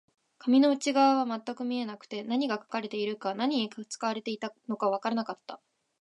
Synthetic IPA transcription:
kʰamʲino̞ɯ̟t͡ɕiɡaβaβamat̪ːakɯ̟mʲie̞nakɯ̟̥t̪e̞naɲ̟iɡakḁkaɾe̞t̪e̞iɾɯ̟kanaɲ̟iikɯ̥t͡sɨ̥kaβ̞aɾe̞t̪e̞it̪ano̞kaβ̞akaɾanakat̪ːa

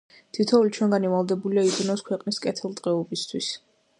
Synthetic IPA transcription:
t̪ʰit̪ʰɔulit͡ʃʰwɛŋɡanivalˠd̪ɛbuliaid̪unɔskʰwɛqʼniskʼɛt̪ʰɛlˠt̪ʼqʼɛɔbist̪ʰwis

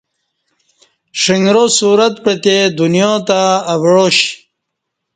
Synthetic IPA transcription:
ʂiŋɡɾosuːɾat̪pet̪ed̪unjot̪aːwɻoɕ

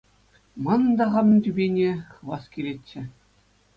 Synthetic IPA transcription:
mɤ̆nd̪ɑʁɑmt̪ʲybʲenʲeχɤʋɑskʲilʲetʲːɘ̆

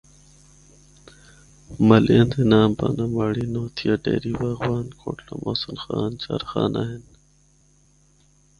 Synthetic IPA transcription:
mɐlʔiend̪enaːmpanɐmaːɽinoːt̪ʰijaʈḛːɾiːbaɣwaːnkʰoːʈʰlomʔoːsəlxaːnt͡ɕaɾxaːnaɦen

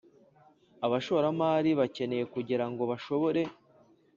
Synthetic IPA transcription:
aβaʃoɾamaːɾiβace̞ne̞je̞kuɟiɾaŋɡo̞βaʃo̞βo̞ɾe̞

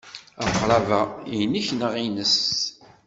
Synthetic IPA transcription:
æməqɾˤɑvæiniçnəʁinəs

